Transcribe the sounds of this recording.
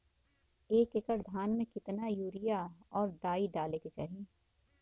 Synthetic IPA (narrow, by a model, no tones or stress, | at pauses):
eːkekəɾd̪ʱaːnmẽkɪt̪najuːɾɪjaɔːɾd̪aːiɖaːleket͡ʃa̰ːɦieː